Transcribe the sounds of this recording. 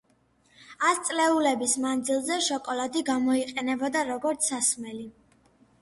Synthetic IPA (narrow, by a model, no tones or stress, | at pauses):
ast̪sʼlɛulɛbismand̪zilˠzɛʃɔkʼɔlad̪iɡamɔiqʼɛnɛbɔd̪aɾɔɡɔɾt̪sʰasmɛli